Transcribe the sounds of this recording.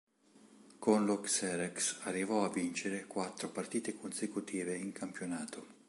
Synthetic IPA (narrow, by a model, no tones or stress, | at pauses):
konluksɛɾɛksarːivɔavːint͡ʃeɾekwat̪ːɾopart̪iːt̪ekʰonsekut̪iːveiŋkʰampjonaːt̪o